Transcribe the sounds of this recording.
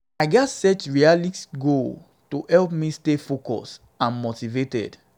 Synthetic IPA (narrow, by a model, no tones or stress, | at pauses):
aɪɡɛtsɛt͡ʃɹialitɡol | tohɛlpmĩstefokɔ̰s | ãnmotivetɛ̰d̥